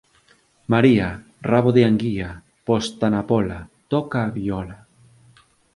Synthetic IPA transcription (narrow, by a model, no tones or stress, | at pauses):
maɾia | raβoðeaŋɡia | post̪anapolat̪okaːβiola